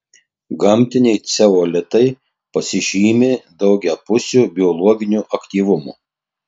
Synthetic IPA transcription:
ɡɐmʲˑt̪ʲɪnʲɛɪt̪sʲɛoːlʲɛt̪ɐɪ | pɐsʲɪʒʲiːmʲed̪ɒʊɡʲɛːpʊsʲuːbʲɪɔlˠɔɡʲɪnʲuːʔɐkt̪ʲiːʋʊmṵː

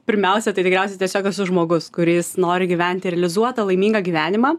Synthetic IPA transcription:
pʲɪɾʲmʲɛʊsʲɛt̪ɐɪt̪ʲɪkɾʲɛʊsʲɛtʲiɛsʲoːkɐsʊʒmoːɡʊskʊɾʲɪːsnoːɾʲɪɡʲiʋʲæˑnʲt̪ʲɪɾʲɛlʲɪzuɔt̪ɐlˠɐɪmʲiːŋɡɐɡʲiːʋʲæːnʲɪmɑː

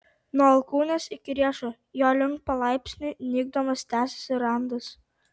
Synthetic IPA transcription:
nuɔɐlˠkuːnʲɛsɪkʲɪɾʲiɛʃɐ | joːlʲɪŋk̚pɐlˠɑˑɪpʲsʲnʲʊnʲiːɡ̚d̪omɐst̪ʲæːsʲɛ̥sʲɪɾɑnd̪ɐs

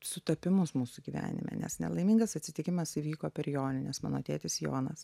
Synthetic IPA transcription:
sʊt̪ɐpʲɪmʊsmuːsʊɡʲiːʋʲæ̰ːnʲɪ̰mʲɛ̰nʲɛ̰snʲɛ̰lˠɐɪmʲiːŋɡɐsɐt̪ʲsʲɪt̪ʲɪkʲɪmɐsiʋʲiːkoːpʲɛrjoːnʲɪnʲɛsmɑ̰ːnoːt̪ʲeːt̪ʲɪsjo̰ːnɐs

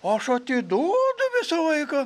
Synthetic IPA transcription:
oːɐʃɐt̪ʲɪd̪oːd̪ʊʋʲɪsɐlˠɐɪkɐ

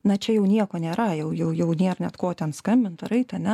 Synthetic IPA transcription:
nɐt͡ʃʲɛjɛʊnʲiɛkoːnʲeːɾɐjɛʊjɛʊjɛʊnʲeːrnʲɛt̪koːt̪ʲɛnskɐmʲbʲɪnt̪ɾɐɪt̪ɐnʲɛ

